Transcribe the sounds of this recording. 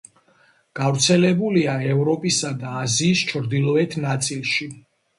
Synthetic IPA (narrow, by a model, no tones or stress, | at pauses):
ɡ̥avɾt̪sʰɛlɛbuliaɛvɾɔpʼisad̪aːziːst͡ʃʰɾd̪ilˠɔɛt̪ʰnat̪sʼilˠʃi